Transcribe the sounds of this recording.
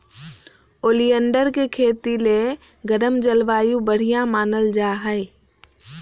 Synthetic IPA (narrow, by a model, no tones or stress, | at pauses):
oːlijənɖəɾkekʰeːt̪ileː | ɡɐɾəmd͡ʑɐlʋaːjũbɐɽ̤ijãmaːnəld͡ʒaːɦəe